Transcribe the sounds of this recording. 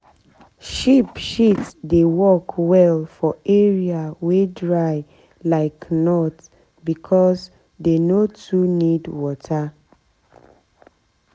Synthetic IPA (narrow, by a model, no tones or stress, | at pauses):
ʃipʃitdewɔkʰwɛlfɔeɹiawedɹaɪ | laɪknɔt | bikʰɔs | denotʰunidwɔtʰa